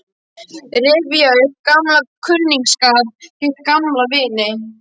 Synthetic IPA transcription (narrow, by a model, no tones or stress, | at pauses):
rɪːvijaʏkamlakʰʏlniŋkskaːðcɪt̪̚kamlavɪːnɪ